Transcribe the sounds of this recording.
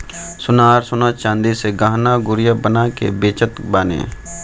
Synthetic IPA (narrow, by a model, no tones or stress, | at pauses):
sʊnaːɾsʊnat͡ʃãːnd̪iseɡaːɦnaɡʊɾjabənakḛbeːt͡ʃət̪baːnḛ̃ː